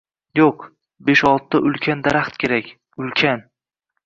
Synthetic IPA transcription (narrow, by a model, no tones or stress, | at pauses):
joq | beʃɒlˠt̪ʰːaʔʊlkʲʰand̪aɾaχt̪kʲe̞ɾakʲ | ʊlkʲʰan